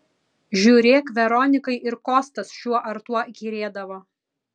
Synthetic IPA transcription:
ʒʲuːɾʲeːkʋʲɛɾɔnʲɪkɐɪʔɪɾkoːst̪ɐsʃʲuɔʔɐɾt̪uɔɡʲiːɾʲeːd̪ɐʋoː

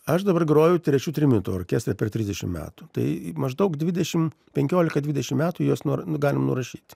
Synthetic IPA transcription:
ɐʃd̪ɐbɐrɡɐɾoːjɛʊt̪ʲɾʲɛt͡ʃʲuːt̪ʲɾʲɪmʲɪnt̪uo̰ːkʲeːst̪rɐpʲɛrt̪ʲɾʲɪzd̪ʲɛʃʲɪ̰mmʲæ̰ːt̪ut̪ɐɪmɐʒd̪ɐʊkd̪ʲʋʲɪd̪ʲɛʃʲɪm | pʲɛŋʲkʲoːlʲɪkɐd̪ʲʋʲɪd̪ʲɛʃʲɪmmʲæːt̪ujoːsnuɡɑːlʲɪmnʊ̰ɾɐʃʲiːt̪ʲ

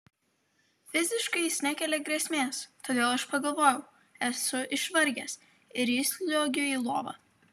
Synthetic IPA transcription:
fʲɪzʲɪʃkɐɪsʲnʲɛkʲɛːlʲɛɡɾʲeːsʲmʲeːst̪oːd̪ʲeːlˠɐʃpɐɡɐlˠʋoːjɛʊ | ɛsʊʔɪʃʋɐɾʲɡʲɛs | ɪɾjɪsʲlʲoːɡʲʊiːlˠoːʋɐ̰

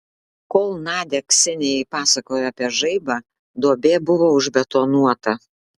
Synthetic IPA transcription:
koːlˠnɑːd̪ʲɛksʲɪnʲɛjɛɪpɑːsɐkoːjɛɐpʲiɛʒɐɪbɑː | d̪oɔbʲeːbʊʋoːʊʒʲbʲɛt̪oːnuɔt̪ɐ

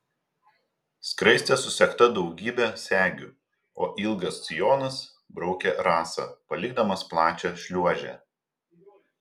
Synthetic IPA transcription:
skɾɐɪsʲt̪ʲeˑsʊsʲɛkt̪ɐd̪ɒʊɡʲiːbʲɛsʲæːɡʲʊ | o̰ːʔɪlˠɡɐst̪sʲɪjoːnɐs | bɾɒʊkʲɛɾɑːsɐ̰pɐlʲɪɡ̚d̪ɐmɐsplˠɑːt͡ʃʲɛʃʲlʲuɔʒʲɛ̰ː

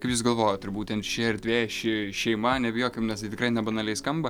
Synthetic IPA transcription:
kɐɪpjuʊs̬ɡɐlˠʋoːjoːt̪ɪrbuːt̪ʲɛnt̪ʃʲɪɪɾd̪ʲʋʲeːʃʲɪʃʲɛɪmɐnʲɛbʲɪjoːkʲɪmnʲɛst̪ɐɪtʲɪkrɐɪnʲɛbɐnɐlʲɛɪskɐmbɐ

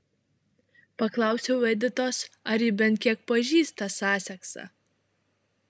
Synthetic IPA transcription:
pɐklˠɑˑʊsʲɛʊʋʲɛd̪ʲɪt̪oːsɐɾibʲɛnt̪̚ʲkʲiɛk̚pɐʒʲiːst̪t̪ɐsɑːsʲɛksɑ̰ː

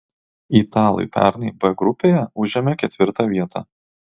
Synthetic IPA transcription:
it̪ɑːlˠɐ̰ɪpʲæ̰ˑɾnʲɐɪbɛɡɾʊpʲeːjɛʊʒʲɛmʲɛkʲɛt̪ʲʋʲɪɾt̪ɑʋʲiɛt̪ʰɑ̰ː

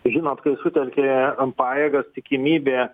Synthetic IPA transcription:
ʒʲɪnoːt̪kɐɪsʊt̪ʲɛlʲkʲeːpɑːjeːɡɐst̪ʲɪkʲɪmʲiːbʲeː

